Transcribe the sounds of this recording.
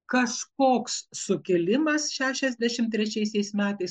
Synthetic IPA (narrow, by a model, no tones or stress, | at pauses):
kɐʃkoːkssʊkʲɛlʲɪmɐsʃʲæːʃʲɛzʲd̪ʲæʃʲɪmt̪ʲɾʲɛt͡ʃʲɛɪsʲɛɪsmʲæːt̪ɐɪs